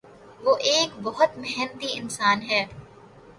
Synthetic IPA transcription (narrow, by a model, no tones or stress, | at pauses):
ʋoːʔeːkbɔɦʊt̪mɛɦɛnt̪iɪnsaːnɦɛː